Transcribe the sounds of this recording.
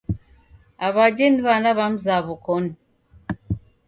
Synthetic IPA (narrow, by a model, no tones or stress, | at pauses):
aβaɟeniβanaβamuzaβukoni